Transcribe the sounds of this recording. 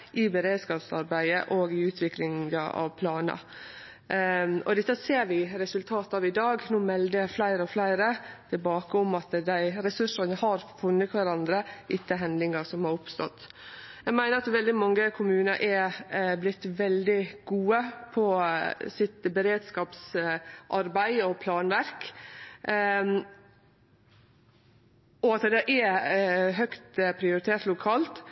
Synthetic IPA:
ʔɪbɛɾeːd̪skɑːpsɑɾbæɪə̰ʔoɡɪʉːt̪ʰʋɪklɪŋəɑ̰ʋpʰlɑːnɑ̰ | ɔd̪ɪt̪ːəseːɾʋɪɾɛsʉlt̪ʰɑːt̪ɑʋɪd̪ɑːɡnuːmɛld̪əæflæɪɾəɔflæɪɾət̪ʰɪlbɑːkəʊmɑt̪d̪æɪɾɛsʉʂənəhɑɾfʉnːət̪ʋæɾɑnd̪ɾəʔɪt̪ːəɦɛnd̪ɪŋɑsɔmhɑɾʊpst̪ɔ̰t̪ːjæɪɡmæɪnəɾɑt̪ʋɛld̪ɪmɑŋːəkʰʊmʉːnəɾʔɛblɪt̪ːʋɛld̪ɪɡuːəpʰɔsɪt̪bɛɾeːd̪skɑːpsʔɑɾbæɪɔpʰlɑːnʋæɾk | ɔɑt̪d̪ɛʔɛ | ɦœkt̪pʰɾɪʊɾɪt̪ʰeːʈt̪lʊkʰɑːlt̪

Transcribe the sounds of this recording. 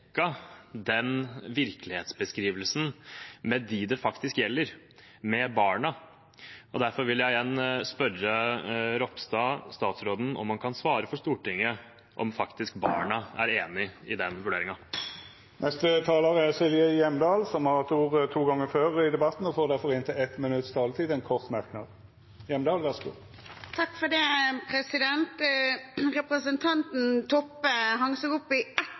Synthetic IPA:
kːɑd̪ɛnʋɪɾklɪheːt̪sbəskɾiːʋəlsən̩mɛd̪ɪd̪ɛfɑkt̪ɪskjɛlːəɾ | mɛbɑːɳɑ | ʔɔd̪æɾfɔɾʋɪljæɪjɛnːspœrəɾɔpst̪ɑːst̪ɑːt̪sɾoːd̪n̩ɔ̰mːɑnkʰɑnsʋɑːɾəfɔʂt̪uːʈɪŋːə | ʔɔ̰mfɑkt̪ɪskbɑ̰ːɳɑæ̰ɾeːnɪɪd̪ɛnʋʉɖeːɾɪŋɑ | nʔɛst̪ət̪ʰɑːlɑʁəsɪlʋɪəjɛmd̪ɑːlsɔmhɑʁt̪ʰuːʁt̪ʰuːɡɑŋːəføːʁɪd̪ɛbɑt̪n̩ɔfoːʁd̪æʁfɔʁɪnt̪ʰɪɛt̪mɪnʉt̪st̪ʰɑːlt̪ʰiːd̪ɛnkʰɔʁt̪mæʁknɑ̰d̪ | jɛmd̪ɑːlʋæʁsɡṵː | t̪ʰɑkːfɔd̪ɛpʰɾɛsɪd̪ɛnt̪ | ʁɛpɾəsənt̪ʰɑnt̪n̩t̪ʰɔpːəɦɑŋsoɡʊpːɪɛt̪

